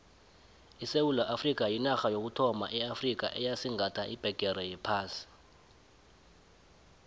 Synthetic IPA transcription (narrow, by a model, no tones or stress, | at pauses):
isewulaʔafrik̬ʼajinaxajok̬utʰɔma̰ʔɛafrik̬a̰ʔɛjasiŋʱatʰaʔib̥ʱɛɡ̥ʱɛɾɛjɛpʰaːsi̥